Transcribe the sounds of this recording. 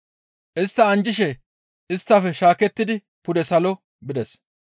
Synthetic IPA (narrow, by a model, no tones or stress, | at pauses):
ʔɪst̪ːɐɐnd͡ʒɪʃɛ | ʔɪst̪ːɐfɛʃaːkɛt̪ːɪd̪ɪ | pʊd̪ɛsɐlɔ | bɪd̪ɛs